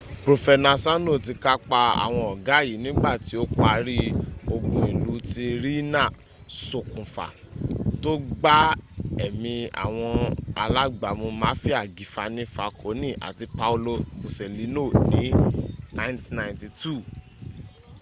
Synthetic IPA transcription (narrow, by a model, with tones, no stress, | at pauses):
pɾo˧fɛ˧nã˧sã˦no˦˨t̬i˧ka˦k͡pa˧a̰˨w̃ɔ̃˧ɔ˨ɡa˨˦˨ji˨˦nĩ˦ɡ͡ba˦˨ti˨˦o˦k͡pa˧ɾi˦o˧ɡũ˧ĩ˨lu˨˧ti˧ɾi˦nã˦˨ | so˨kũ˨fa̰˨ | to˦ɡ͡ba˦ɛ˦˨mĩ˧a̰˨w̃ɔ̃˧a̰˧la˦ɡ͡ba˨mo˧mã˨˦fi˦a˦˨ɡi˨˦fa˧nĩ˦fa˧kʰo˨˦nĩ˦˨ʔa̰˨ti˧pa˧u˧lo˧bo˨sɛ˨li˨˦no˦˨nĩ˨˦nã˧j̃ntnã˧ĩnti˧tu˦˨